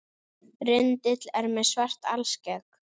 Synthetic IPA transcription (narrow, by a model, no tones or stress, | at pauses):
rɪnt̪ɪt̪lɛɾmɛðsvar̥t̪a̰lscɛk